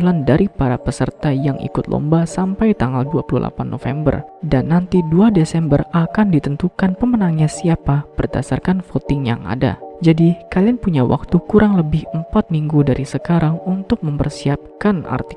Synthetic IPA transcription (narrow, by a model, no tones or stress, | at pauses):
landaɾipaɾapəsərt̪ajaŋʔḭkʊt̪lɔ̰mbasampajt̪aŋɡaldua̰pululʔa̰panːo̰fɛmbə̰rdanːant̪iduadesɛmbərakandit̪ənt̪ukanpəmənaŋɲasiapab̥ərdasarkanfot̪ɪŋja̰ŋa̰da̰d͡ʒadikalianpuɲawʔa̰k̚t̪ukuɾaŋləbɪhəmpat̪̚miŋɡudaɾisəkaɾaŋunt̪ʊk̚məmpərsiap̚kana̰rt̪i